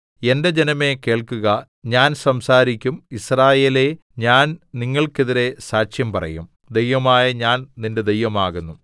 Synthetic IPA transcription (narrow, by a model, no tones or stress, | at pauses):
e̞nde̞d͡ʑe̞nɐme̞ke̞ːɭkuɣɐ | ɲaːnsɐmsaːɾikʲːumisraːje̞ːle̞ | ɲaːnniŋːɐɭkeðiɾe̞saːɕjɐmpɐrɐ̰jum | d̪e̞jʋɐmaːjɐɲaːnninde̞d̪e̞jʋɐmaːɣunːu